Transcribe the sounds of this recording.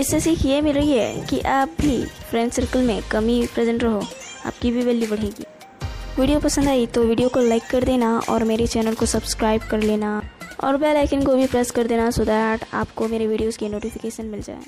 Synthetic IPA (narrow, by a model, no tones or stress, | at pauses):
ɪsːesiːkʰjemɪlɾɐɦiɦɛ̰kiʔaːp̚bʱifʰɾɛ̃ːɳʈsɐɾkəlmẽkɐmipɾɛzə̃ɳʈɾɐɦo | a̰ːp̚kibʱibɐlibɐɽ̤eːɡḭː | ʋiːɖijopɐsə̃nd̪aːit̪oʋiːɖijokolaɪkːɐɾd̪eːnaɔ̰ːɾmeːɾet͡ʃɛːnəlkosɐbskɾaːɪb̚kɐɾleːnaɔ̰ːɾbɛːlaːɪkɪnkobʱipɾɛskɐɾd̪eːnasʊd̪aɾaːʈʰa̰ːpkomeːɾeʋiːɖijoskenoːʈɪfɪkeːʃənmɪld͡ʒa̰ːḛː